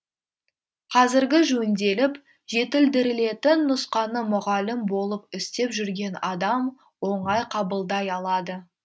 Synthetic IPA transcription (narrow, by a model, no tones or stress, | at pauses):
qʰɑzɪɾɡʲɪʒɵnd̪e̞lɪp | ʒe̞t̪ɪld̪ɪɾɪle̞t̪ɪnːʊsqɑnəmʊʁɑlɪmbo̞lˠəpʏst̪e̞pʒʏɾɡʲe̞nɑd̪ɑm | wo̞ɴɑjqʰɑbəlˠd̪ɑjɑlˠɑd̪ə